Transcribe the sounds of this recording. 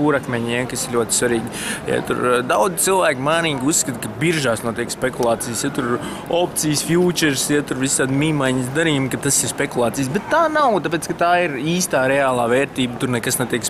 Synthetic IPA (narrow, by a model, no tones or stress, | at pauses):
uːɾakmɛɲjakɐsɪɾlʲuɔt̪ʲsʋaɾiːɡʲija̰t̪ṵɾd̪awd̪zi̥t̪ilˠvæːkʲmaːniːɡʲusːkɐt̪kɐbiɾʒaːsnuɔt̪ʲiɛkspekulˠaːt̪siːjsjat̪uɾ | opt̪sijsfjuːt͡ʃɛɾsjat̪uɾʋisaːd̪miːmajɲisd̪aɾiːmkat̪asiɾspekulˠɑːt̪sijs̬bɛt̪ːaːnawt̪apeːt̪skɐt̪aːiɾiːst̪aːɾɛaːlˠaːvɛːɾt̪iːbt̪uɾnɛkasnet̪ʲiɛks